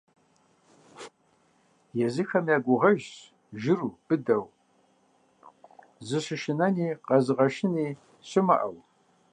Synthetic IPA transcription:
jɛzɨxɐmjaːɡʷʊʁɐʒ | ʒɪruːb̥ɨdɐw | zɨɕɪʃɪnɐniːqɐzɨʁɐʃɪniː | ɕɪmɐ̰ʔɐw

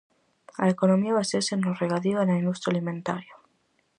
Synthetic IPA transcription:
aekonomiaβaseɾsenoreɣaðiðaenaĩnd̪ust̪ɾjalimẽnt̪aɾja

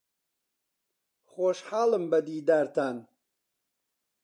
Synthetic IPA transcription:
χoːʃħaːlɨmbɐd̪iːd̪aɾt̪ʰan

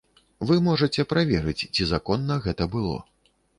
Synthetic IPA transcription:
vɨmɔʐɐt͡sʲɛpɾavʲɛɾɨt͡sʲt͡sʲizakɔnːɐɣɛt̪ɐbɨlˠɔ̰

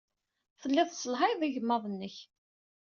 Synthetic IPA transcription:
θəlːɪðˤsəlɦaðˤiʝəmːəðˤənːəç

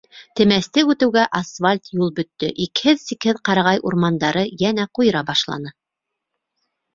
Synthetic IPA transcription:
t̪ɘ̆mæst̪ɘʉt̪ɘ̆wɡæʔasfalʲt̪julˠbɵ̆t̪ːɵ̰ʔikhɘðsikhɘðqɑɾɑʁɑjʔuɾmɑnd̪ɑɾɤjænæqujɤ̆ɾɑbɑʃlˠɑ̰nɤ

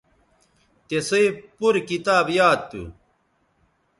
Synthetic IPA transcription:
t̪esɐipuɾkit̪aːbjaːd̪̚t̪ːṵ

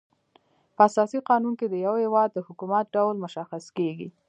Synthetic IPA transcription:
pəasɑsiqɑnunked̪əjawhɪwɑd̪̚ːəhʊkumat̪̚ɖawlmʊʃaxaskeɡḭ

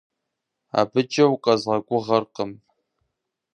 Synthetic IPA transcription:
a̰bɨt͡ʃʼɐwqʼɐzʁɐɡʷʼʊʁɐrqəm

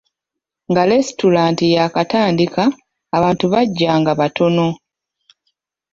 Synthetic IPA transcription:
ŋɡalesitulaːntijakataːndikaː | βaːntuβaɟːaːŋɡaβatʰo̞no̞

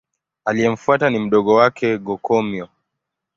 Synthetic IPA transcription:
alijɛm̩fuatanim̩ɗɔɠɔwakʰɛɡɔkɔmjɔ

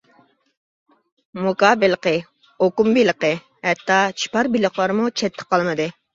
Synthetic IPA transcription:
mukɑːbɪlˠəqə | okumbiləqə | hɛt̪ːɑt͡ʃʰi̥pɑɾbilˠəχlˠɑɾmut͡ʃʰɛt̪ʰːə̥qɑlˠmɨd̪ɨ

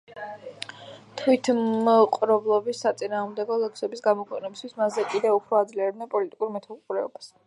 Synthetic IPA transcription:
t̪ʰwit̪ʰqʼɾɔblˠɔbisːat̪sʼinaːʁmd̪ɛɡɔlɛksɛbisɡamɔkʰwɛ̰qʼnɛbist̪ʰwismazɛkʼid̪ɛupʰɾɔad̪zliaɾɛd̪nɛnpʼɔlit̪ʼi̥kʼuɾmɛt̪ʰaqʼuɾɛɔbas

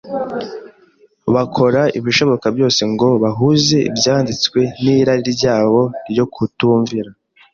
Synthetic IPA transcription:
βakʰo̞ɾaiβiʃo̞βo̞kabjo̞ːse̞ŋɡo̞βaɦuze̞ḭbjaːndit͡skwe̞niɾaɾiɾiɟaːβo̞ɾjo̞kʰutuːɱviɾa

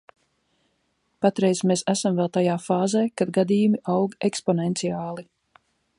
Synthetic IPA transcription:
pat̪ɾɛjsmesæsamvɛlˠt̪ajaːfaːzeːkad̪̚ɡad̪iːjumiʔawɡɛkspɔnɛnt̪siaːlˠi

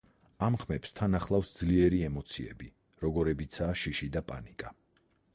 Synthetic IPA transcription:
amχmɛpst̪ʰanaχlˠafsd̪zliɛɾiɛmɔt̪sʰiɛ̰bi | ɾɔɡɔɾɛbit̪sʰaːʃiʃid̪apʼa̰nikʼa

